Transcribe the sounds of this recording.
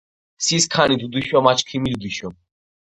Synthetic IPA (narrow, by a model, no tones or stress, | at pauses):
siskʰanid̪ud̪iʃɔmat͡ʃʰkʰimild̪iʃɔ